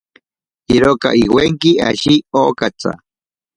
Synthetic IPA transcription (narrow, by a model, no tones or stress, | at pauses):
iɾoka̰ʔiweŋkia̰ʃioːkat͡sa̰